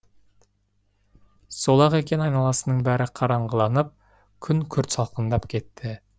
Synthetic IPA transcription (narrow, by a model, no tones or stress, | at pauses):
solˠɑʁe̞kʲe̞nɑjnɑlˠɑsənəɴbæɾɪqʰɑɾɑɴʁəlˠɑnəp̚ | kʲʰʏŋkʲʰʏɾt̪sɑlˠqənd̪ɑpkʲʰe̞t̪ːɪ